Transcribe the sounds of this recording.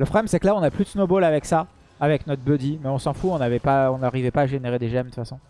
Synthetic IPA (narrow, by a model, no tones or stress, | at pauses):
ləpχɔblɛmsɛklaɔ̃naplyd̪əsnobolavɛksaː | vɛknɔt̪χbød̪imɛɔ̃sɑ̃fuɔ̃navɛpaɔ̃naʁivɛpaːʒeneʁed̪eʒɛmd̪əfasɔ̃